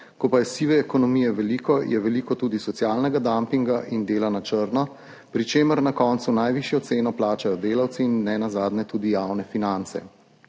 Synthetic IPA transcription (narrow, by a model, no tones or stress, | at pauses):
kɔpajɛsiːʋɛːkɔnɔmiːjɛʋɛliːkɔjʔɛʋɛliːkɔt̪uːd̪isɔt̪sjaːlnɛɡad̪ampiŋɡaʔind̪eːlanat͡ʃəɾnɔ | pɾit͡ʃeːməɾnakɔːnt̪sunajʋiːʃjɔt̪seːnɔplaːt͡ʃajɔd̪eːlawt̪siːnːɛnazaːd̪nɛt̪uːd̪ijawnɛfinant̪sɛ̰